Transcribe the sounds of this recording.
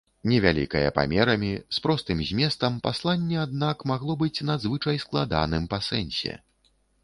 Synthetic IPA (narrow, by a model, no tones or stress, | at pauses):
nʲɛvʲalʲḭkɐjɐ̰pa̰mʲɛɾɐmʲispɾɔst̪ɨmzʲmʲɛst̪ɐmpaslˠanʲːɛad̪̚nakmaɣlˠɔbɨt͡sʲnad̪zvɨt͡ʂɐjsklˠad̪a̰nɨmpasɛnʲsʲɛ̰